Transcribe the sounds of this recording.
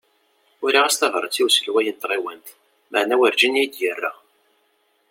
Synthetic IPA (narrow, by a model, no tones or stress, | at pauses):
ʊɾiʁæst̪ɑvɾˤə̰t͡sːiwsəlwæjənt̪ˤːɾˤewænt̪ | məʕnæwəɾd͡ʒinæjd̪jərːa̰